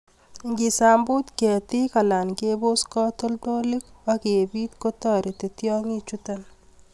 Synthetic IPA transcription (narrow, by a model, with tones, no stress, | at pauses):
ŋɡi˨saː˨mbu˦t̪kɛ˨t̪i˦ka˨la˨nke˦bo˦skɔ˦t̪o˦lt̪o˦lɪ˦kwake˨biː˦t̪kot̪ɔ˨ɾi˨t̪e˨t̪jɔ˦ŋi˦t͡ʃut̪an